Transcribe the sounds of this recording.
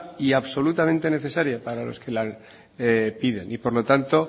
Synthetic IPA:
iaβso̞lut̪ament̪e̞ne̞θe̞saɾjapaɾalo̞̰ske̞la | epiðe̞nʔipo̞ɾlo̞t̪ant̪o̞

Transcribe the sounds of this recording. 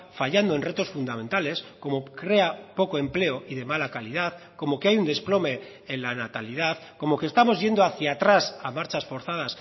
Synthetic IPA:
faʎand̪oe̞nre̞t̪o̞sfund̪amẽ̞nt̪ale̞sko̞mo̞kɾe̞apo̞ko̞e̞mple̞oʔiðe̞malakalið̞aθko̞mo̞keajund̪e̞splo̞me̞ | enlanat̪aliðaθko̞mo̞kest̪amo̞zʝe̞nd̪o̞aθjat̪ɾasamaɾt͡ʃasfo̞ɾθað̞as

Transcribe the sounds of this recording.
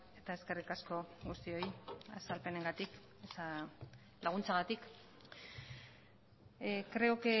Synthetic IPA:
e̞t̪ae̞ske̞rikasko̞ɣust̪io̞ja̰salpe̞ne̞ŋɡat̪ik | esa | laɣ̞unt͡saɣat̪ik | kɾe̞oke

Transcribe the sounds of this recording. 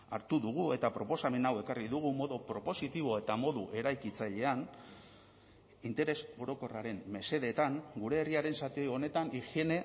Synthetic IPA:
aɾt̪uðuɣue̞t̪apɾo̞po̞same̞nawe̞kariðuɣ̞umo̞ðupɾo̞po̞sit̪iβ̞o̞e̞t̪amo̞ðṵʔe̞ɾajkit͡saʎe̞an | int̪e̞ɾe̞so̞ɾo̞ko̞raɾe̞mme̞se̞ðet̪aŋɡuɾe̞ːriaɾe̞nsat̪io̞jo̞ne̞t̪anixie̞ne̞

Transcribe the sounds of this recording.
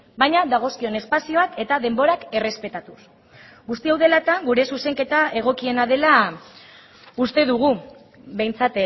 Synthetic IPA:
bajɲaðaɣ̞o̞skio̞ne̞spasio̞ake̞t̪aðe̞mbo̞ɾake̞re̞spe̞t̪at̪us | ɡust̪iawðe̞lat̪aɡuɾe̞suse̞ŋke̞t̪ae̞ɣ̞o̞kie̞naðe̞la | ust̪e̞ðuɣ̞u | βe̞jnt͡sat̪

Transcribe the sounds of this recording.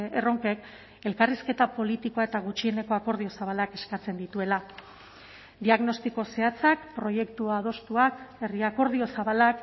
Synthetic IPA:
ero̞ŋke̞k | e̞lkariske̞t̪apo̞lit̪iko̞ae̞t̪aɣ̞ut͡ʃie̞ne̞ko̞ako̞ɾðio̞saβalake̞skat͡se̞nd̪it̪ue̞la | d̪iaɣno̞st̪iko̞se̞at͡sakpɾo̞je̞kt̪uað̞o̞st̪uake̞riako̞ɾð̞io̞saβalak

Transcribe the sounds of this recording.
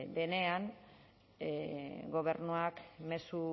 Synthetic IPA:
d̪e̞ne̞an | ɡo̞βe̞ɾnuakme̞su

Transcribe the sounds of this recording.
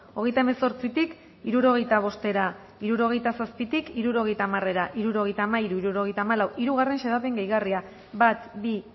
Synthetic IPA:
o̞ɣ̞e̞jt̪aeme̞so̞ɾt͡sit̪ik | iɾuɾo̞ɣ̞e̞jt̪aβ̞o̞st̪e̞ɾa | iɾuɾo̞ɣ̞e̞jt̪asaspit̪ikiɾuɾo̞ɣe̞jt̪aːmare̞ɾaʔiɾuɾo̞ɣ̞e̞jt̪aːmaiɾuiɾuɾo̞ɣ̞e̞jt̪aːmalawʔiɾuɣare̞nʃe̞ðape̞ŋɡejɣaria | bat̪bi

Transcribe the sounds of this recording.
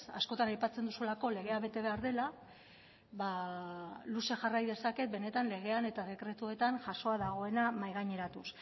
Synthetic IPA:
a̰sko̞t̪anajpat͡send̪usulako̞le̞ɣe̞aβe̞t̪e̞βe̞aɾðe̞la | βa | luse̞xarajðe̞sake̞t̪̚be̞ne̞t̪anle̞ɣ̞e̞ane̞t̪aðe̞kɾe̞t̪ue̞t̪anʝaso̞aðaɣ̞o̞e̞namajɣaɲe̞ɾat̪us

